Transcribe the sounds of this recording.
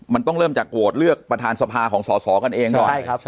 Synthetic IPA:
ma˧nt̪ɔ˥˩ɾɤː˥˩mt͡ɕaː˨˩kːo˨˩t̪̚lɯ˥˩ək̚pɾa˧t̪ʰaː˧nsa˧pʰaː˧kʰɔː˩˦ŋsɔː˩˦sɔː˩˦ka˧nʔeː˧ŋkkɔː˨˩˥

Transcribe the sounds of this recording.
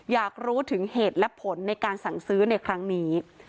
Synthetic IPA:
jaː˨˩k̚ɾuː˦˥t̪ʰɯ˩˦ŋheː˨˩t̪̚lɛ˦˥pʰo˩˦nːa˧jkaː˧nsa˨˩ŋsɯː˦˥na˧jkʰɾa˦˥ŋniː˦˥

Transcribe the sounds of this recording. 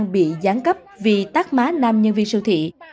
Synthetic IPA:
ŋɓḭ˧˨zaː˨˦ŋkə˦˥p̚vi˨˩t̪aː˦˥k̚maː˨˦naː˧mɲə˧nvi˧nsɨ˧t̪ʰḭ˧˨

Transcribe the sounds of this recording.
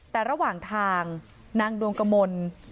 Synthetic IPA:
t̪ɛː˨˩ɾa˧waː˨˩ŋt̪ʰaː˧ŋ | naː˧ŋdu˧əŋka˧mo˧n

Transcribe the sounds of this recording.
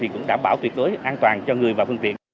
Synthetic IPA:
i˨˩kʊ̰˧˥ŋ͡mɗaː˧˩mɓaː˧˩wt̪wi˧˩ət̚ɗo˨˦jʔaː˧nt̪waː˨˩nt͡ɕɔ˧ŋɨ˨˩əjvaː˨˩fɨ˧ŋt̪ḭ˧˨ən

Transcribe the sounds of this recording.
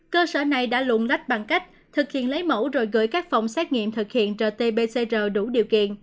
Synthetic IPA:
kəː˧səː˧˩na˨˩jɗa̰ː˧˥lu˧˨ənla˦˥jt̚ɓa˨˩ŋka˦˥jk̟̚ | t̪ʰɨ˨˩k̚hḭ˧˨ənlə˨˦jmo̰˧˥wzo˨˩jɣɨ̰˧˥jkaː˦˥k̚fa˨˩wŋ͡msɛ˦˥t̚ŋḭ˧˨əmt̪ʰɨ˨˩k̚hḭ˧˨ənt͡ɕəː˨˩t̪e˧ɓe˧se˧zəː˨˩ɗu˧˩ɗḭ˨əwkḭ˧˨ən

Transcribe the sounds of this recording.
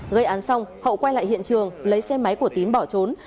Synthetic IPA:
ɣə˧jʔaː˨˦nsa˧wŋ͡mhə̰˧˨wkwa˧jla̰ː˧˨jhḭ˧˨ənt͡ɕɨ˨˩əŋlə˨˦jsɛ˧ma˨˦jku˧˩ət̪i˨˦nɓɔ˧˩t͡ɕo˨˦n

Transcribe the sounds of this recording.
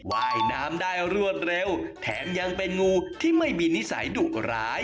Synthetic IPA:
waː˧˥˩jnaː˦˥mdaː˥˩jɾu˥˩ət̪̚ɾe˧wt̪ʰɛː˩˦mja˧ŋpe˧nŋuː˧t̪ʰiː˥˩ma˥˩jmiː˧ni˦˥sa̰˩˦jdu˨˩k̚ɾa̰ː˦˥j

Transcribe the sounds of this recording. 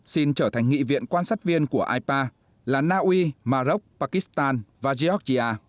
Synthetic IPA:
si˧nt͡ɕəː˧˩t̪ʰa˨˩ŋ̟ŋḭ˧˨vḭ˧˨ənkwaː˧nsaː˦˥t̚vi˧ənku˧˩əʔaː˧jpaː˧ | laː˨˩naː˧ʔwi˧maː˧zə˦˥k͡p̚paː˧ki˦˥st̪aː˧nvaː˨˩zi˧ɔ˦˥k̚zi˧ʔaː˧

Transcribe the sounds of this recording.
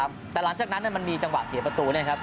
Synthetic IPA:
mt̪ɛː˨˩la˩˦ŋt͡ɕaː˨˩k̚na˦˥nːi˥˩ma˧nmiː˧t͡ɕa˧ŋwa˨˩ʔsi˨˩˦pɾa˧t̪uː˧ni˥˩kʰa˦˥p̚

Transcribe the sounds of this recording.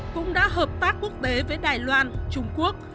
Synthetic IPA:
kʊ̰˧˥ŋ͡mɗa̰ː˧˥ɦəː˨˩p̚t̪aː˦˥k̚kːu˦˥ək̚t̪e˨˦vəː˨˦jɗaː˨˩jlwaː˧nt͡ɕʊ˧ŋ͡mku˦˥ək̚

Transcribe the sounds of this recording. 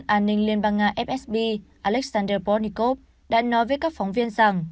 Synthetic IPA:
nʔaː˧nːï˧ŋli˧ənɓaː˧ŋːaː˧˩ʔɛ˦˥p̚ʔɛ˦˥sɓi˧ʔaː˧˩lɛ˦˥k̚saː˧ndəː˧pɔ˧˥ni˧˩ko˦˥p̚ | ɗa̰ː˧˥nɔ˨˦jvəː˨˦kaː˦˥k̚fɔ˨˦wŋ͡mvi˧ənza˨˩ŋ

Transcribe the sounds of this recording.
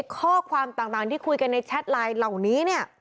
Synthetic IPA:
jkʰɔː˥˩kʰwaː˧mt̪aː˨˩ŋt̪aː˨˩ŋt̪ʰiː˥˩kʰu˧jka˧nːa˧jt͡ɕʰa˦˥t̪̚laː˧jla˨˩wniː˦˥ni˥˩ɐ

